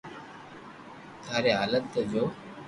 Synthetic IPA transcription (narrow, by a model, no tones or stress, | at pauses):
t̪ʰaːɾeaːlənt̪əd͡ʑoː